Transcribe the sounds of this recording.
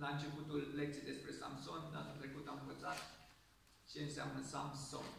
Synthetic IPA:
laɨnt͡ʃe̞put̪ulːek̚t̪sejd̪espɾe̞sa̰mso̞ndanult̪ɾe̞kut̪amɨnvət̪sat̪ | t͡ʃe̞ɨnsea̰mnəsa̰mso̰n

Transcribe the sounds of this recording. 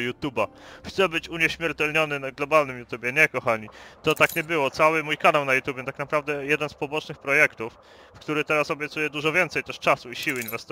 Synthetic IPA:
jut̪jubaxt̪sɛbɘt͡ɕuɲɛɕmʲjɛɾt̪ɛlɲɔnɘnaɡlɔbalnɘmjut̪ubʲjɛɲɛkɔxaɲit̪ɔt̪akɲɛbɘwɔt̪sawɘmujkanawnajut̪jubʲjɛt̪aknapɾavd̪ɛjɛd̪ɛnspɔbɔt͡ʂnɘxpɾɔjɛkt̪ufː | kt̪uɾɘt̪ɛɾasɔbʲjɛt̪sujɛd̪uʐɔvʲjɛnt̪sɛjt̪ɛʂt͡ʂasuiɕiwinvɛst̪

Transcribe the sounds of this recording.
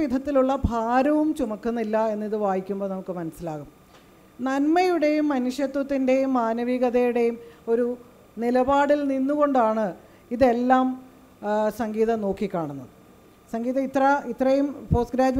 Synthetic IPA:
id̪ʱɐt̪ːiluɭːɐbʱaːɾɐʋumt͡ɕumɐkːunːilːɐe̞nːiðɨʋaːjikʲːumboːnɐmukːɨmɐnɐsilaːɣum | nɐnmɐjuɽe̞jumːɐnuʂjɐt̪wɐt̪ːinde̞jumːaːnɐʋiːɣɐðɐjuɽe̞jumo̞ɾu | nilɐbaːɽilninːuɣo̞ɳɖaːɳɨ | iðe̞lːaːm | sɐŋɡiːðɐno̞ːkːikʲːaːɳunːɐðɨ | sɐŋɡiːðɐit̪ːrɐit̪ːrɐjumfo̞ːsɡɾaːd͡ʑ

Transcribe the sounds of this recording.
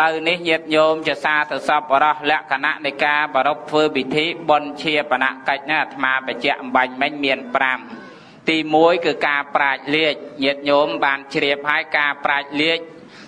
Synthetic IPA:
ləwnihɲiət̪̚ɲoːmt͡ɕiəsaːsawsɑp̚ɓɔɾɑhlɛ̆əʔkʰana̰ʔnɨjkaːɓɔɾop̚t̪ʰʋəːpit̪ʰiːɓont͡ɕʰiəpana̰ʔkəc̚nat̪ʰmaːpət͡ɕɛ̆əʔmɓaɲmɨɲmiənpram | t̪iːmuəjkɨːkaːpraɛk̚liəc̚ɲiət̪̚ɲoːmɓaːnt͡ɕriəp̚haəjkaːpraɛc̚liəc̚

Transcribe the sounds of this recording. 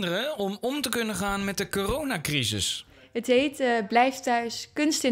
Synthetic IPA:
dərəɔmɔmtəkɵnəχaːnmɛt̚dəkoːrownaːkrizɪ̰s | ɦətɦejtblɛjftœɥskɵnstɪ

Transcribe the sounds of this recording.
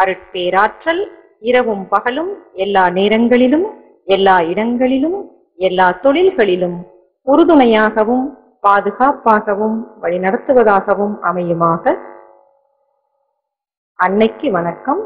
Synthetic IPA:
ɐɾɯʈ̚peːɾaːʈrɐl | ɪɾɐʋɯmpɐɣɐlɯmɛlːaːneːɾɐŋɡɐɭɪlɯm | ɛlːaːɪɽɐŋɡɐɭɪlɯm | ɛlːaːt̪ɔɭɪlɣɐɭɪlɯm | ʊɾɯðɯnɐjaːɣɐʋɯm | paːðɯɣaːpaːɣɐʋɯmʋɐɭɪnɐɽɐt̪ːɯʋɐðaːɣɐʋɯmɐmɐjɯmaːɣɐ | ɐɳːɐɪkːɯʋɐnɐkːɐm

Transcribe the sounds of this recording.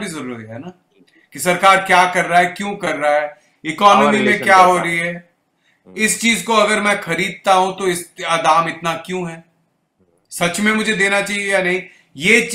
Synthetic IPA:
bʱizɐɾuːɾət̪ɦɛ̰ːnaː | kisɐɾkaːɾkjaːkɐɾːaɦɛkjũkɐɾːaɦɛː | ɪkɔːnɔmimẽkjaːɦoɾɐɦiɦɛː | ɪst͡ʃiːzkoɐɡəɾmɛ̃xɐɾiːd̪̚t̪aɦũt̪oɪsad̪aːmɪt̪nakjũɦɛː | sɐt͡ʃmẽmʊd͡ʒʱed̪eːnat͡ʃaːɦiejanɐɦĩ | jeːt͡ʃ

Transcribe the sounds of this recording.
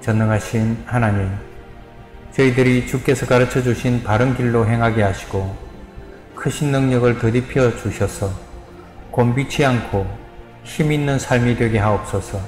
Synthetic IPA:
t͡ɕʌnːʌŋɦaɕʰinhanaɲim | t͡ɕʌidɯɾit͡ɕuk͈e̞sʰʌkaɾɯt͡ɕʰʌd͡ʑuɕʰinpaɾɯnkiɭːoɦe̞ŋɦaɡeɦaɕʰi̥ɡo | kʰɯɕʰinːɯŋɲʌɡɯɭtʌdipʰjʌt͡ɕuɕʰʌsʰʌ | kombit͡ɕʰiankʰo | çiminːɯnsʰaɭmidwe̞ɡe̞ɦaop̚s͈ʌsʰʌ

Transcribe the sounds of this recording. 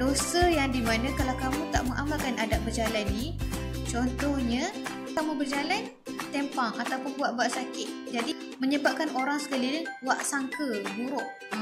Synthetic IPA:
dosəjaŋdimanãkalawkamũt̪a̰ʔməŋʔamalkanadaʔbərd͡ʒalanːit͡ʃɔnt̪ɔhɲã | t̪aʔməbərd͡ʒalan | t̪ɛmpaŋat̪awpʊnbuat̪̚baʔsakɪt̪̚d͡ʒadi | məɲəbap̚kanoɾaŋsə̥kalidəŋwaʔsaŋkəbuɾʊʔ

